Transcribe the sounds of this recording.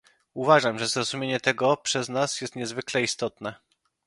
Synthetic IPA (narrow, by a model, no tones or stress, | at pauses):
uvaʐamʐɛzɾɔzumʲjeɲɛt̪ɛɡɔpʂɛznasjɛst̪ɲɛzvɘklɛist̪ɔt̪nɛ